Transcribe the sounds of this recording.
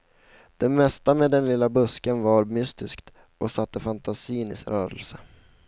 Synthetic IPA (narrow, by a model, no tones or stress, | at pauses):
d̪̥ɛmɛst̪ameːd̪ɛnlɪlːabɵskənvaɾmʏst̪ɪskt̪ | ʔɔsat̪ːəfant̪asiːnɪsɾœːɾə̰lsə